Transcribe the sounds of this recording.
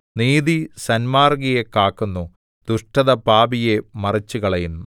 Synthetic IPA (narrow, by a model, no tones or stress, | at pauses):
niːðisɐnmaːrɡijekːaːkːunːu | d̪̥uʂʈɐðɐpaːbijemɐrit͡ɕːuɣɐɭɐjinːu